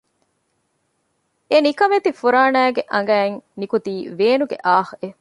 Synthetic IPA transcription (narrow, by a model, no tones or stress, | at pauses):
enikɐmet̪ifuɾaːnæːɡeʔɐŋɡæːeŋnikut̪iːʋeːnuɡḛʔaːhe